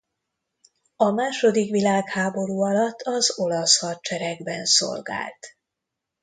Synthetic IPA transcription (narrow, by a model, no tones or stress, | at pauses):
ɒmaːʃo̞d̪ikʋilaːkhaːbo̞ɾuːɒlɒt̪ʰːɒzo̞lɒshɒrt͡ʃɛɾɛɡbɛnso̞̰lɡa̰ːlt̪